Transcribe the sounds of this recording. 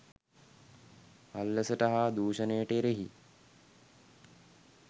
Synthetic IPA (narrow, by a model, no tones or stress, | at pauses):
alːəsəʈaɦaːd̪uːʃənejəʈeɾeɦḭ